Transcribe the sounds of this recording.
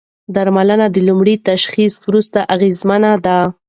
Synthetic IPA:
d̪aɾmalənad̪əlumɽit̪aʃxiswɾust̪aʔaɣezmanad̪a

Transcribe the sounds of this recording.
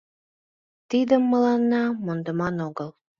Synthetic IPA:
t̪id̪əmːəlɑnːɑmond̪əmɑnoɣəl

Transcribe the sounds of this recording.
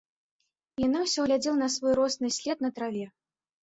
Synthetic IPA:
janawsʲɔɣlʲad͡zʲilˠɐnɐsvɔjɾɔsnɨsʲlʲɛt̪̚nɐt̪ɾavʲɛ

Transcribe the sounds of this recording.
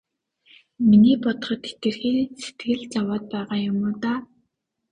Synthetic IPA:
miniːpɔt̪̆χɞ̆t̪et̪ɡɘ̆rxeːse̥t̪ɡɘ̆ɮt͡sawaːt̪̚pæːʁaːjʊmʊːt̪aː

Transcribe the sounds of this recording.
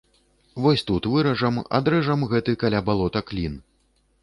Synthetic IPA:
vɔsʲt̪ut̪vɨɾɐʐɐma̰d̪ɾɛʐɐmɣɛt̪ɨkalʲabalˠɔt̪ɐklʲin

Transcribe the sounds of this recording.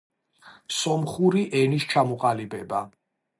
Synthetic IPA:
sɔmχuɾiʔɛnist͡ʃʰamɔqʼalibɛba

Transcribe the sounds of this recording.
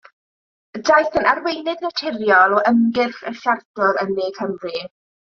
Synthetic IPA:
dajθənarwejnɪðnatʰɪrjɔlˠɔʔəmɡɪrχə̰ɬardɔɾənːeːkʰəmri

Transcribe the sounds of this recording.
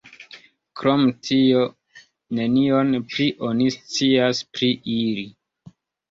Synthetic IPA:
kɾo̞mtʰio̞ | ne̞nio̞npɾiʔo̞nist͡siaspɾiʔili

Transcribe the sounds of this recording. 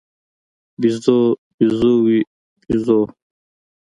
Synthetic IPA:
bizobizuwi | bizo

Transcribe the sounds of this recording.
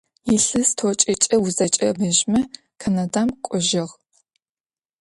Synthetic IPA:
jɪɬɨstʰot͡ʃʼɪt͡ʃʼɐwuzɐt͡ʃʼɐbɐʒmɐ | kʰɐnadamqʷʼɔʒɪʁ

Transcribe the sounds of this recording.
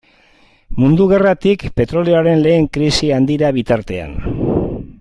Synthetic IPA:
mund̪uɣ̞e̞rat̪ikpe̞t̪ɾo̞leoaɾe̞nle̞ːŋkɾisiand̪iɾaβ̞it̪aɾt̪e̞a̰n

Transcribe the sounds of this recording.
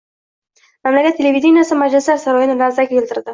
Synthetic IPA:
mamlakʲat̪ʰːelʲevʲid̪inijasɪmad͡ʒlɪslaɾsaɾɒjɪnɪlazakʲʰelʲt̪ɪɾd̪ɪ

